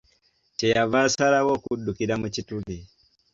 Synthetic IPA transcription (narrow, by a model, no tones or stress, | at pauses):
t͡ʃɛjavasaɾawɔkuɗukiɾamut͡ʃituli